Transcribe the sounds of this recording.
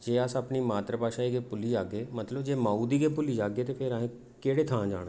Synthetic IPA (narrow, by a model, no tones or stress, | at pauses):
d͡ʒeːəsəpniːmaːt̪ɾəpaːʃaːiːɡeːpʊlid͡ʒaːɡeːmət̪ləbd͡ʒeːmaːuːd̪iːɡeːpʊliːd͡ʒaːɡeːt̪eːpʰeɾaɦẽː | keːɽeːt̪ʰãːd͡ʒa̰ːɽaː